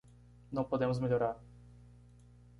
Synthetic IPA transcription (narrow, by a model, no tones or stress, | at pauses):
nɐ̃w̃pod̪ẽmʊzmeʎoɾaɾ